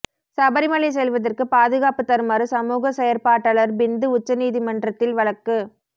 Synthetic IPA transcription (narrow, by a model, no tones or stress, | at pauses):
sɐbɐɾɪmɐɭɛs̬ɛlʋɐðɐrkɯpaːðɯɣaːpɯt̪ːɐɾɯmɐɾɯsɐmuːɣɐsɛjɐɾpaːʈːɐɭɐɾbɪnd̪ɯʊt͡ʃːɐniːðimɐndrɐt̪ːɪlʋɐɭɐkːɯ